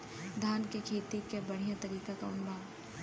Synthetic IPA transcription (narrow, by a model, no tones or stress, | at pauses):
d̪ʱaːnkekʰeːt̪ikebɐɽ̤ijãt̪ɐɾiːkakaʊnbaːʋ